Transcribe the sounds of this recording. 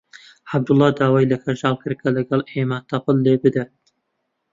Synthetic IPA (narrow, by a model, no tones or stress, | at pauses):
ħab̚d̪ʊlˠːɑːd̪aːwajlɐkʰɐʒɑːlˠkɨɾkʰɐlɐɡɑlˠʔeːmat̪ɑpɨlːebɨd̪ɐ